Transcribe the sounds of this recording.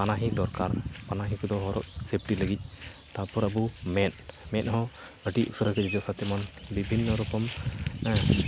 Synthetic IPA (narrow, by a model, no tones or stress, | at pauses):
panaɦid̪ɔɾkaɾpanaɦĩkɔd̪ɔɦɔɾɔʔ̚sep̚ʰʈiləɡic̪̚ˀt̪apɔɾəbumɛt̪mɛnɦɔ̃ | əʈiʔusəɾəkəd͡ʒid͡ʒɔsat̪ɛmɔnbibʱinːɔɾukɔm